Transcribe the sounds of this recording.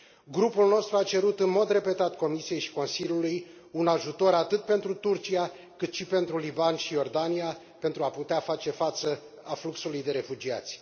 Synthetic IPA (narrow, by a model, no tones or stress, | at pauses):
ɡɾupulno̞st̪ɾuat͡ʃe̞ɾut̪ɨnmo̞d̪re̞pe̞t̪at̪ko̞misije̞jʃi̥ko̞nsilʲuluj | unaʒut̪o̞ɾat̪ɨt̪̚pe̞nt̪ɾut̪urt͡ʃia | kɨt̪ʃipe̞nt̪ɾulibanʃijo̞rd̪ania | pe̞nt̪ɾuaput̪eafat͡ʃe̞fat̪sə | afluksulujd̪e̞ɾe̞fud͡ʒia̰t̪sʲ